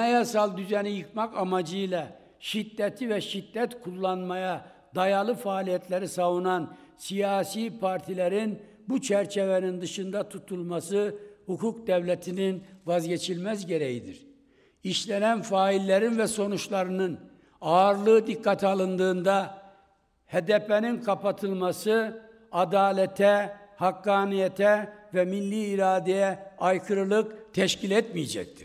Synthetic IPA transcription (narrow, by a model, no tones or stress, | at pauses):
ejasalˠd̪yzɛnijɯkmakamad͡ʒɯjlˠa | ʃid̪ːɛt̪ʰivɛʃid̪ːɛt̪kʰulˠːanmaja | d̪ajalˠɯfaːlʲijɛt̪ʰlʲeɾisavunan | sijaːsiːpʰaɾt̪ʰilʲeɾin | but͡ʃʰæɾt͡ʃʰevɛnind̪ɯʃɯnd̪at̪ʰut̪ʰulˠmasɯhukʰuk̚d̪ɛvlʲet̪ʰininvazɟet͡ʃʰilʲmæzɟe̞ɾɛjid̪iɾ̥ | iʃlʲɛnænfaːilʲːeɾinvɛso̞nut͡ʃlˠaɾɯnɯn | aɾlˠɯd̪ikːat̪ʰialˠɯnd̪ɯːnd̪a | hed̪ɛpɛninkʰapat̪ʰɯlˠmasɯ | ad̪aːlʲɛt̪ʰɛhakːaːnijɛt̪ʰɛvɛminlʲiːɾaːd̪ejɛajkʰɯɾɯlˠɯkt̪ʰɛʃcʰilʲɛt̪mijɛd͡ʒɛ̰c̚t̪ʰi̥